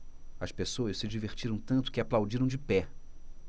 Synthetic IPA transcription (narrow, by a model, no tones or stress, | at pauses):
ɐspesoɐʃsɪd͡ʒiveɾt͡ʃiɾɐ̃w̃t̪ɐ̃nt̪ʊ̥kɪaplawd͡ʒiɾɐ̃w̃d͡ʒɪpɛ